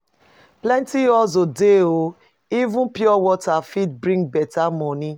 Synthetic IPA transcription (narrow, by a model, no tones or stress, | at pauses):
plɛ̃ntiɔzodeo | ivũpjɔwɔtafit̚bɾĩŋɡbɛtamɔni